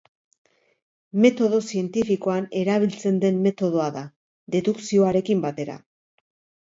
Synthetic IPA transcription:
me̞t̪o̞ðo̞sie̞nt̪ifiko̞ane̞ɾaβ̞ilt͡se̞nd̪e̞mːe̞t̪o̞ð̞o̞aða | ðe̞ðuksio̞aɾe̞kimbat̪e̞ɾa̰

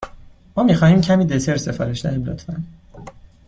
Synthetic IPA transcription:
mɒːmixɒːhiːmcʰæmiːd̪et̪ʰeɾse̞fɒːɾeʃd̪æɾiːmlo̰t̪ʰfæn

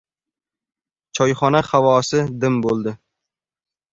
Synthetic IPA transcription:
t͡ʃʰɒjχɒnaχavɒːsɪd̪ɪmbolˠd̪ɪ

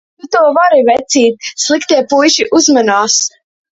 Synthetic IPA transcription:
t̪ut̪uːvaɾivɛt̪siːt̪̚slˠikt̪iɛpujʃiʔuzmanaːs

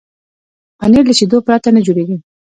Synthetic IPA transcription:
aneɾləʃed̪opɾat̪anəd͡ʒoɽeɡi

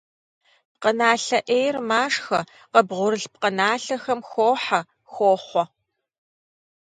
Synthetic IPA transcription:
p̚qənaːɬɐʔeːjrmaːʂxɐ | qɐbʁʷʊɾɨɬp̚qənaːɬɐxɐmxʷoːħa | xʷoːχʷɔ

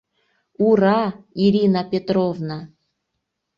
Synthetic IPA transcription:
uɾɑiɾʲinapʲet̪rovna

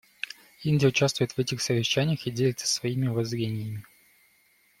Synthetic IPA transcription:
inʲdʲɪjəʊt͡ɕast̪vʊjɪt̪vɛtʲɪxsəvʲɪɕːænʲɪjəxidʲelʲɪt̪sə̥svɐimʲɪʊvɐzɾʲenʲɪjəmʲɪ

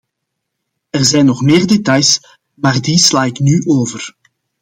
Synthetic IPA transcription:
ɛrzɛjnɔχmeːrdetɑjs | maːrdislaːɪknyʔoːvər

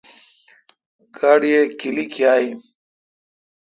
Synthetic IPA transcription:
ɡaɽiekilikʰjaːi

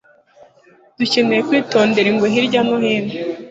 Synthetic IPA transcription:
d̥ucenejekwiːto̞ːnde̞ɾiŋɡwoɦiɾɟanohiːne

